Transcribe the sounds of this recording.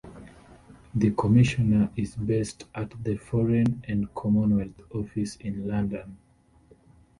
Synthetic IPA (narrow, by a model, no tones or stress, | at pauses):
ðɨkʰɔmɪʃɔnə˞ʔizbɛstʔatðəfɔɹɛ̃nɛ̃nkʰɔmɔ̃nwɛlθɔfisĩnlãndə̃n